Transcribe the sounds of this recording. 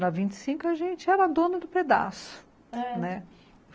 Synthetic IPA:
ɾɐvĩnt͡ʃɪ̥sĩŋkʊɐʒẽnt͡ʃɪɛɾɐad̪õnɐd̪ʊped̪a̰sʊ̥ | nɛ

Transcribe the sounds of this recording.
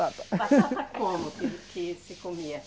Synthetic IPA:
at̪ | kõmʊkɪkʰɪsɪkomiɐ

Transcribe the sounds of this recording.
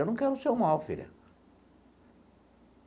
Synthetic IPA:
ewnɐ̃w̃kɛɾʊsewmawfḭlʲɐ̰

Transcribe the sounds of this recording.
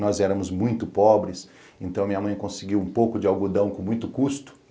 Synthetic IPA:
nɔzɛɾɐ̃mʊzmũj̃t̪ʊpɔbɾɪs | ẽnt̪ɐ̃w̃ɐmĩɐmɐ̃j̃kõsɪɡiwũpowkʊd͡ʒɪawɡud̪ɐ̃w̃kõmũj̃t̪ʊkust̪ʊ̥

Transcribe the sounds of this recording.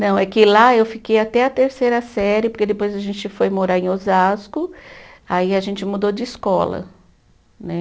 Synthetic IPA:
nɐ̃w̃ɛkɪlaewfikejat̪ɛɐt̪eɾsejɾɐsɛɾɪpoɾked̪epojzɐʒẽt͡ʃɪfojmoɾaɾẽozaskʊaiɐʒẽnt͡ʃɪmud̪od͡ʒɪiskɔlɐ̰ | nɛ

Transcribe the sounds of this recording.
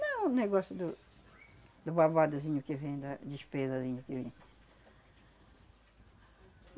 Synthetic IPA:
nɐ̃w̃nẽj̃ɡɔst̪ud̪ʊ | d̪ʊβaβad̪ɐzĩɲʊkɪvẽj̃d̪ɐd̪iʃpezɐzĩɲʊkɪvẽj̃

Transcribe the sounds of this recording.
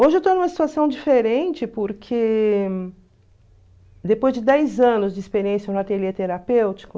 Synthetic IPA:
oʒɪewt̪onũmɐsi̥t̪uasɐ̃w̃d͡ʒifeɾẽnt͡ʃɪpoɾkʰe | d̪epojzd͡ʒɪd̪ɛjzɐ̃nʊzd͡ʒɪispeɾiẽsjɐ̃at̪eɾiet̪eɾapewt͡ʃi̥kʊ

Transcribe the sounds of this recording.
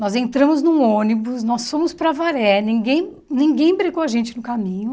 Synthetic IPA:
nɔzẽnt̪ɾɐ̃mʊznũõnibʊsnɔsːõmʊspɾɐvaɾɛnĩɡẽj̃ | nĩŋɡẽj̃bɾeɡowɐʒẽnt͡ʃɪnʊkamĩɲʊ

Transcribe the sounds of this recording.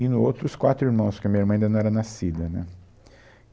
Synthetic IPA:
ɪnʊowt̪ɾʊskwat̪ɾʊiɾmɐ̃w̃skɪɐmĩɲɐiɾmɐ̃ɐ̃d̪nɐ̃w̃ɛɾɐnasid̪ɐnɛ̰

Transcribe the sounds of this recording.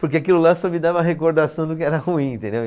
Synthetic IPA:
poɾk̬eakilʊlasɔmɪd̪avɐɐɦekoɾd̪asɐ̃w̃d̪ʊkɪɛɾɐhuĩẽt̪ẽnd̪ew

